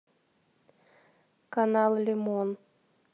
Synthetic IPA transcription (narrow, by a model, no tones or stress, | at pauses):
kanɑlˠlʲɪmon